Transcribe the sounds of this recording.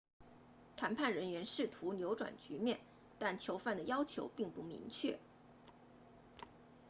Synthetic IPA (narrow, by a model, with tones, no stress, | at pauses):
t̪ʰa˧˥npʰa˥˩nɻə˧˥nɥɛ˧˥nʂɻ̩˥˩t̪ʰu˧˥njo˧˥ʊʈ͡ʂwa̰˨˩nt͡ɕy˧˥mjɛ˥˩n | t̪a˥˩nt͡ɕʰjo˧˥ʊfa˥˩nd̪ə˩jɑ˥ʊt͡ɕʰjo˧˥ʊpi˥˧ŋpu˥˩mḭ˧˥ŋt͡ɕʰɥɛ˥˩